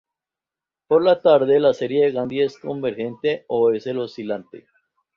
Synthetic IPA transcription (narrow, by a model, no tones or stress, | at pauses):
poɾlat̪aɾðe̞lase̞ɾjeðeɣand̪ieskombeɾxe̞nt̪eoeselosilant̪ḛ